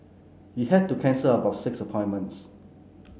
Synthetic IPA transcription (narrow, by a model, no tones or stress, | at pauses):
hihɛd̚tukʰɛ̃nsələbawfsɪksəpʰɔ̃ɪ̃nmə̃nts